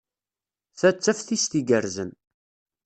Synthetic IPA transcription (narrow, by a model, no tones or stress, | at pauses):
θæt͡sːæfθist̪iɡəɾzən